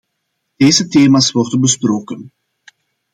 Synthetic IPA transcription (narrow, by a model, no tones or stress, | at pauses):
d̥eːzəteːmasʋɔrdənbəsproːkən